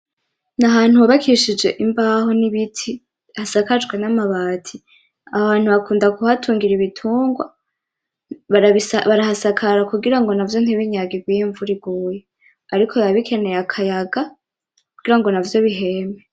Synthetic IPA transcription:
naɦaːn̥huaβakʰiʃid͡ʒe̞ʔimbaho̞niβitʰi | hasakad͡ʒɡwe̞namaβaːtʰi | aβaːn̥huβakuːndakuhatʰuːŋɡiɾiβitʰuːŋɡwa | βaiβaɾahasakʰaɾakuɡiɾaŋɡo̞navjo̞n̥heβiɲaɡiɡwijiɱvuɾiɡuːje | aɾikʰoaβikʰe̞ne̞jakʰajaɡa | kuɡ̥iɾaŋɡo̞navjo̞βiɦeme

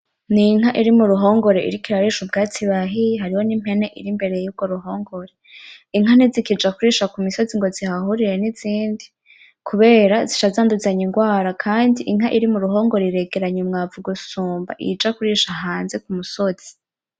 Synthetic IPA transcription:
niŋ̥aʔiɾimuɾuɦo̞ːŋɡo̞ɾe̞ḭɾikiɾaɾiʃubɡaːt͡siβaɦiɦaɾiho̞nim̥he̞ne̞ʔḭɾimbe̞ɾejjub̚ɡ̥o̞ɾuɦo̞ːŋɡo̞ɾeiŋɦanizikid͡ʒakuɾiːʃakumiso̞ziŋɡo̞zihahuɾiɾe̞niziːndi | kʰuβe̞ːɾaziʃazaːnduzaɲiŋɡwaːɾakʰaːndiʔiŋɦaʔiɾimuɾuɦo̞ːŋɡo̞ɾeiɾe̞ɡe̞ɾaɲemŋaːvuɡusuːmba̰ʔḭd͡ʒakuɾiːʃaɦaːnze̞kumuso̞z̥i̥

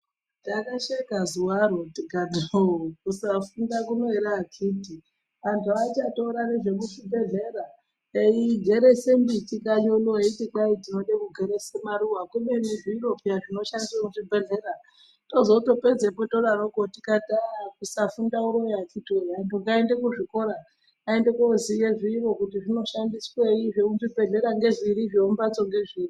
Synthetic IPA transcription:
takaʃekazuwarotiɡʱadokusafundakuno̞eɾakʰiti | ʋantʰuait͡ʃato̞ɾaneʐe̞kuʐibʱe̞ɮe̞ɾa | eiɡʱe̞ɾesembitikaɲoloeitiǃaitino̞ɗekuɡʱe̞ɾesemaɾuwakumeniviiɾopijatino̞ʃandissokuʐibʱe̞ɮe̞ɾa | to̞zo̞to̞ped͡zepoto̞ɾaroɡʱotikatakusafundauɾojat͡ʃitoandoɡaende̞kuʐiko̞ɾaː | endekozijeʐiːro̞kutiʐino̞ʃandisweiʐekuʐibʱe̞ɮe̞ɾaŋɡe̞ʐiɾiʐeumbat͡so̞ŋɡe̞ʐiːi

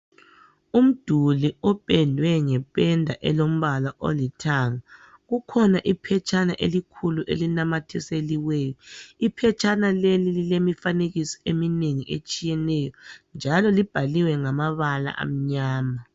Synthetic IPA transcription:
um̩d̥ʱuliɔpʼɛndʱwɛŋɛpʼɛndʱaʔɛlom̩βalaʔo̰litʰaːŋa | ɣukʰɔnaʔipʰɛt͡ʃʼanaʔḛlikʰuluʔḛlinamatʰiseliwɛːjɔipʰɛt͡ʃʼanalelililemifaneɣisɔ̥emineŋiʔḛt͡ʃʼijɛnɛjɔnd͡ʒʱalɔlib̥ʱaliwɛŋamaβala̰ʔa̰m̩ɲaːma

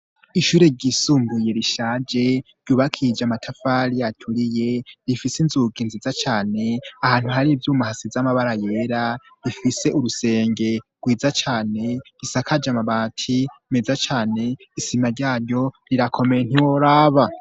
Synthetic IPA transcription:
iʃuːɾe̞ɟisuːmbuje̞ɾiʃaːd͡ʒe̞ɾ̥ɟuβakʰid͡ʒamatʰafaɾijatʰuɾije̞ɾifisinzuɡinzizat͡ʃaːne̞ahaːn̥huhaɾivjuːmahasizamaβaɾaje̞ːɾa | ɾifise̞ʔuɾuse̞ːŋɡe̞ɡ̥wiːzat͡ʃaːne̞ɡ̥isakad͡ʒamaβaːtʰimezat͡ʃaːne̞ | isimaɾɟaːɾɟo̞ɾiɾakʰo̞me̞jen̥hiwoɾaːβa

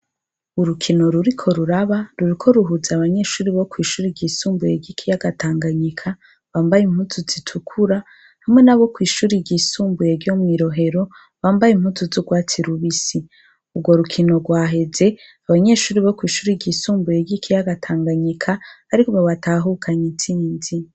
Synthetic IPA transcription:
uɾukʰino̞ɾuɾikʰo̞ɾuɾaβaɾuɾikʰo̞ɾuɦuzaβaɲe̞ʃuːɾiβo̞kwiːʃuːɾiɟisuːmbujeɟikʰijaɡatʰaːŋɡaɲikʰa | βaːmbajim̥hutʰuzitʰukʰuɾa | hamŋe̞naβo̞kwiːʃuːɾiɟisuːmbujeɾjomwiɾo̞ɦe̞ɾo̞ | βaːmbajim̥hutuzuɡwaːt͡siɾuβisi | ubɡwo̞ɾukʰino̞ɡwaːɦe̞ze̞aβaɲe̞ʃuːɾiβokwiːʃuːɾiɟisuːmbujeɟikʰijaɡatʰaːŋɡaɲikʰaːɾikoβaβataːɦukʰaɲit͡siːnzi

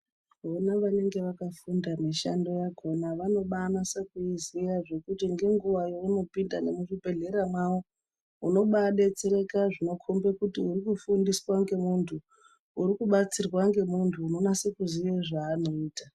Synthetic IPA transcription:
ʋonaʋane̞ŋɡe̞ʋakafundamiʃando̞jaɡʱo̞naʋano̞ɓanasakuiziraʐe̞kutiŋɡe̞ŋɡuʋajouno̞pindane̞muʐibʱe̞ɮe̞ɾamwawo | uno̞ɓaɗet͡seɾe̞kaʐino̞kʰombekutiuɾikufundiswaŋɡe̞muntʰu | uɾikuɓat͡sirwaŋɡe̞muntʰuːno̞nase̞kuzieʐaːnoiːta

